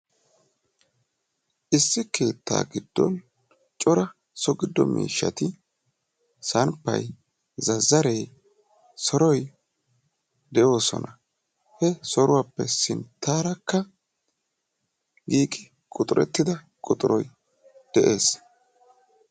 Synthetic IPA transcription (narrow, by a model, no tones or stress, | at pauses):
ʔɪsːɪke̞ːt̪ːa̰ːɡɪd̪̥ːɔ̰n | t͡ʃʼɔɾɐ | sɔɡɪd̪ːɔ̰mḭːʃːɐ̰t̪ɪ | sɐnpːɐ̰j | zɐzːɐɾej | sɔɾɔj | d̪ɛjo̞ːsɔ̰nɐ | hɛsɔɾʊwaːpːɛsɪnt̪ːaːɾɐkːɐ | ɡiːkʼɪ | kʼʊt̪ʼʊɾɛ̰t̪ːɪd̪ɐ | kʼʊt̪ʼʊɾɔj | d̪̥ɛʔe̞ːs